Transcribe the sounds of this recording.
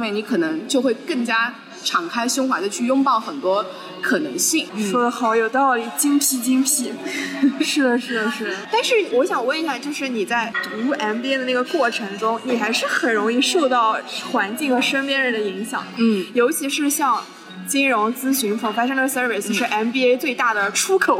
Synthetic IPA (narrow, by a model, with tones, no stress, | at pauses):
we˥˩ɪni˧˥kʰɤ˨˩nɤ˧˥ŋt͡ɕjo˥˧ʊxwe˥˧ɪkɤ˥˩ŋt͡ɕja˥ | ʈ͡ʂʰɑ˨˩ŋkʰa˥ɪɕjʊ˥ŋxwa˧˥d̪ə˧t͡ɕʰy˥˩jʊ˥ŋpɑ˥˩ʊxə˨˩nt̪wɔ˥ | kʰɤ˨˩nɤ˧˥ŋɕi˥˩ŋʂɔ˥˧xɑ˧˥ʊjo˨˩ʊt̪ɑ˥˩ʊli˨˩t͡ɕi˥ŋpʰi˧˥t͡ɕi˥ŋpʰi˧˥ | ʂɻ̩˥˩d̪ə˩ʂɻ̩˥˩d̪ə˩ʂɻ̩˥˩ə˩t̪a˥˧nʂɻ̩˥˩ni˩wɔ˧˥ɕjɑ˨˩ŋwə˥˧ni˧˥ɕja˥˧˩t͡ɕjo˥˧ʊʂɻ̩˥˩ni˨˩t͡sa˥˩ɪt̪u˧˥u˥˩ʔɛ˥npi˥d̪ə˧na˥˩ɡə˩kwɔ˥˩ʈ͡ʂʰɤ˧˥ŋʈ͡ʂʊ˥ŋni˨˩xa˧˥ɪʂɻ̩˥˩xə˨˩nɻʊ˧˥ŋi˥˧ʂo˥˧ʊt̪ɑ˥˩ʊxwa˧˥nt͡ɕi˥˩ŋxə˧˥ʂə˥ŋpjɛ˥˧nɻə˧˥nd̪ə˧i˧˥ŋɕjɑ̰˨˩ŋm˦n̩˥˩jo˧˥ʊt͡ɕʰi˧˥ʂɻ̩˥˧ɕjɑ˥˧ŋ | t͡ɕi˥nɻʊ˧˥ŋt͡sɹ̩˥ɕy˧˥nfə˨˩fa˥ʂɤ˥ŋd̪ə˨˩sə˥ve˧˥ɪs̩˧ʂɻ̩˥˩ʔɛ˥npi˥e˥ɪt͡swe˥˧ɪt̪a˥˩d̪ə˩ʈ͡ʂʰu˥kʰo˨˩˦